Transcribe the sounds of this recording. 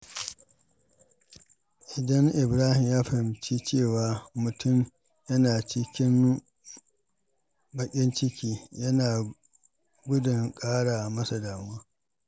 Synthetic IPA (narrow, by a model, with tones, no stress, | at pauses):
ʔɪ˨dɐ˦ŋʔɪ˨bɾaː˦hɪ˨mjaː˦ɸɐ˨hɪ˨mt͡ʃiː˦t͡ʃeː˦˨waː˨mʊ˨tʊ˦˨m | jɐ˦naː˨t͡ʃɪ˦kʲɪ˦m | bɐ˨kʲʼɪ˦nt͡ʃɪ˦kʲiː˦jɐ˦naː˨ | ɡʷʊ˦dʊ˨ŋkʼaː˦ɽaː˨mɐ˦sa˨daː˨m˦aː˦